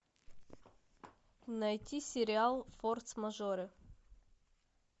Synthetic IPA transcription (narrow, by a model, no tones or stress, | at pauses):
nɐjtʲisʲɪɾʲɪalˠfort̪smɐʐoɾɨ